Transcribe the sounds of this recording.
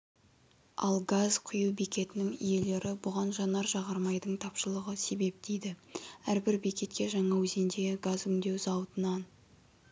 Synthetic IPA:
ɑ̰lˠɡazqʰʊjuwbikʲe̞t̪ɪnɪŋḭje̞le̞ɾʔɪbʊʁɑnʒɑnɑɾʒɑʁɑɾmɑjd̪əɴt̪ʰɑpʃəlˠəʁəse̞be̞p̚d̪̥ejd̪ɪæɾbɪɾbikʲe̞t̪̚kʲe̞ʒɑɴɑwɵze̞nd̪eɡazʏŋd̪e̞wzɑwt̪ənɑn

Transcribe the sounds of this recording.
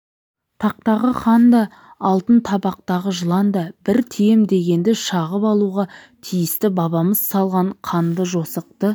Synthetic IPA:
t̪ʰɑq̚t̪ɑʁəχɑnd̪ɑ | ɑlˠt̪ənt̪ʰɑbɑq̚t̪ɑʁəʒəlˠɑnd̪ɑbɪɾt̪ʰejemd̪e̞ɡʲe̞nd̪ɪʃɑʁəpɑlˠuʁɑ | t̪ʰijɪst̪ɪbɑβɑməzsɑlˠʁɑɴqʰɑnd̪əʒo̞səq̚t̪ə

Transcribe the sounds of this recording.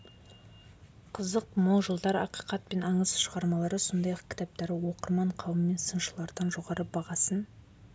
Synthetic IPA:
qʰəzəqmolˠʒəlˠd̪ɑɾɑ̰qi̥jqɑt̪̚pe̞nɑɴəzʃəʁɑɾmɑlˠɑɾəso̞nd̪ɑjɑq̚kʲʰɪ̥t̪ɑp̚t̪ɑɾəwo̞qəɾmɑɴqʰɑwəmːe̞nsənʃəlˠɑɾd̪ɑnʒo̞ʁɑɾəbɑʁɑsən

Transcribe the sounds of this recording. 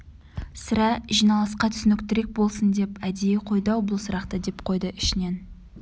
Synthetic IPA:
səɾɑʒijnɑlˠɑsqɑt̪ʰʏ̥sɪnɪk̚ʲt̪ɪɾe̞k̚bo̞lˠsənd̪e̞pæd̪ejɪqʰo̞jd̪ɑwbʊlˠsəɾɑqt̪əd̪e̞pqʰo̞jd̪əɪʃɪne̞n

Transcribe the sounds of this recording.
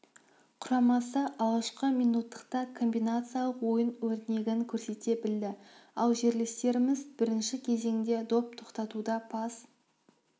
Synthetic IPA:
qʰʊɾɑmɑsəʔɑʁɑʃqəmijnut̪ʰːə̥qt̪ɑkʰo̞mbijnat̪sɨjalˠəqwo̞jənwɵɾt̪ne̞ɡʲɪŋkʲʰɵɾse̞t̪e̞bɪld̪ɪɑlˠʒe̞ɾlest̪e̞ɾɪmɪzbɪɾɪnʃɪkʲʰe̞ze̞ŋd̪e̞d̪o̞p̚t̪ʰo̞qt̪ɑt̪ud̪ɑpʰɑs

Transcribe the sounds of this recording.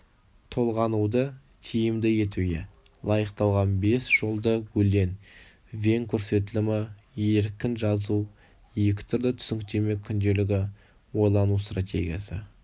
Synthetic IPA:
t̪ʰo̞lˠʁɑnud̪ə | t̪ʲʰijɪmd̪ɪje̞t̪ujɪ̰ | lˠɑjəqt̪ɑlˠʁɑnbe̞sʒ̥o̞lˠd̪əwɵle̞n | vʲe̞ŋkʲʰɵɾse̞t̪̬ɪlɪmɪ | je̞ɾkʲɪnʒɑzu | je̞kʲɪ̥t̪ʰʏɾd̪ət̪ʰʏ̥sɪŋkt̪e̞me̞kʲʰʏnd̪e̞lɪɡʲɪ | wo̞jlˠɑnust̪rat̪ʲe̞̰ɡʲijasə̰

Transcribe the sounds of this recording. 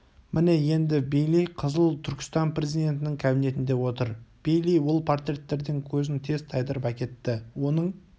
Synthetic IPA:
mʔɪne̞je̞nd̪ɪbejlijqʰəzəlˠt̪ʰʏɾkʲɪ̥st̪ɑnprʲe̞zijd̪e̞nt̪ɪnɪŋkʲʰæbine̞t̪ɪnd̪e̞wo̞t̪əɾb̥ejlijwʊlˠpʰort̪ɾʲe̞t̪ːe̞ɾd̪ɪŋkʲʰɵzɪnt̪ʰe̞zt̪ʰɑjd̪əɾpækʲe̞t̪ːɪwo̞nəɴ

